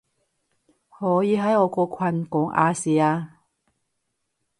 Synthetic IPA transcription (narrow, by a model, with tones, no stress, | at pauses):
hɔ˨˦i˧ɦa˨˧˦jɔ˧kɔ˧kʰwa˧nkɔ˨˦ŋʔa̰˧si˧a˧